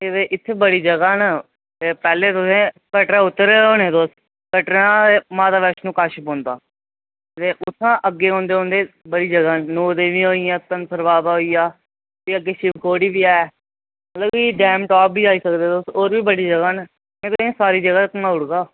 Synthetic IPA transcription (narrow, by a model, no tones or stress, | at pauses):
et̪eːʔɪt̪ʰːeːbəɽiːd͡ʒəɡaːnə | t̪eːpɛːleːt̪ʊsẽː | kəʈãːʊt̪ːəɾeːɦoːnẽːt̪oːs | kəʈɾãːmãːt̪aːʋɛːʃnũːkaːʃəpɦõːnd̪aː | t̪eːʔʊt̪ʰːãːʔəɡːeːɦõːnd̪eːɦõːnd̪eːbəɽiːd͡ʒəɡaːnoːd̪eːʋĩːɦoːijãːt̪ənpʰəɾʋaːb̪aːɦoːiːjaː | t̪iːəɡːeːʃɪʋkʰoːɽiːbiːaːɛː | mət̪ləbiɖɛːmʈaːpbiːd͡ʒaːiːsəkd̪eːt̪oːsoːɾʋiːbəɽiːd͡ʒəɡaːn | ẽːt̪ʊsẽːsaːɾiːd͡ʒəɡaːt̪əkːmãːʊɽɡaː